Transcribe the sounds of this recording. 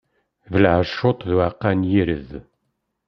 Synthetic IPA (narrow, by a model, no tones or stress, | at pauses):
vəlʕəʃːot̪ˤðuaqːanjiɾə̰ð